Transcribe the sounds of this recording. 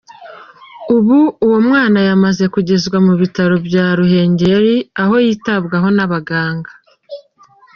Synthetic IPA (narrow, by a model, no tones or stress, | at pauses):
uβuuwo̞mŋaːnajamaze̞kuɟe̞zɡwamuβitaɾo̞bjaːɾuɦe̞ːɲɟe̞ɾiaɦo̞jiːtabɡaɦo̞naβaɡaːŋɡa